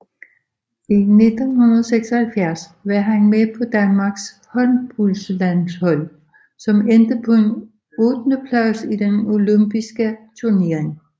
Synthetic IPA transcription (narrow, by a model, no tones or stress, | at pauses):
ine̝d̥nhunɐðˠɒseɡ̥sɒ̽hælfjæɐsʋɑɦænmepʰɒ̽d̥ænmɑ̈ɡ̥s | hɒ̽nb̥ulslænshɒ̽l̰ | sɒ̽mend̥əpʰɒ̽e̝n | ɔːd̥nəpʰlɑsid̥eno̝lømb̥isɡ̥ət͡sʰuɐne̝ːɐeŋ